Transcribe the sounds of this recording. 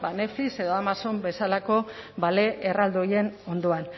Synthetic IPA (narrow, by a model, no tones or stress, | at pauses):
bane̞flise̞ðo̞amaso̞mbe̞salako̞ | bale̞ʔːrald̪oje̞no̞nd̪oan